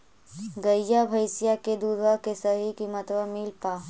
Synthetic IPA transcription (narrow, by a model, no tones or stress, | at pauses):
ɡəjabʱəjsɪjaked̪uːd̪ʋakesɐɦikimɐt̪ʋəmiːlpaː